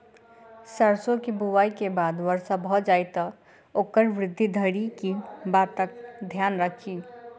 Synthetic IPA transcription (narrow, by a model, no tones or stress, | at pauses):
səɾsokibuwaikebad̪ʋəɾsabʱɔd͡ʒajt̪ɔ | okəɾʋɾɪd̪ʱːid̪ʱəɾikibat̪əkd̪ʱjanɾəkʰi